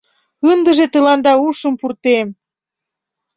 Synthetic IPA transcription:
ənd̪əʒet̪əlɑnd̪ɑuʃə̆mpurt̪em

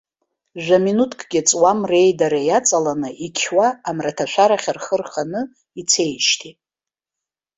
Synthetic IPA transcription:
ʒᶣʷaminutʰkʰʼɡʲɪt͡sʼwamre̞jdaɾajat͡sʼalanɨʔikʲʰwaːmratʰaʃʷʰᶣaɾaχʲarχərχanɨ | it͡sʰe̞jʃtʰitʼ

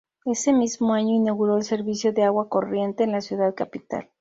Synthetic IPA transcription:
e̞se̞mizmo̞aɲo̞inaɣuɾo̞else̞ɾβisjo̞ðe̞aɣwako̞rje̞nt̪e̞ːnlasjuðaðkapit̪a̰l

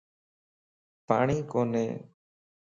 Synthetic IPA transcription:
pa̰ɽ̃ikɔnɛ̰

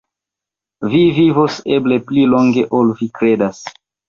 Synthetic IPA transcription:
vivivose̞ble̞pliloŋɡe̞ʔolvikɾedas

